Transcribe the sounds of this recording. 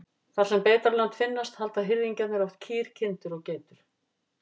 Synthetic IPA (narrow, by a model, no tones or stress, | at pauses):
θḁsɛmpeːt̪aɾlant̪fɪnːast̪halt̪aðɦɪɾðiɲcanɛɾɔwht̪̚cʰiːɾ̥cʰɪnt̪ʏɾɔɣceːjt̪ʏɾ̥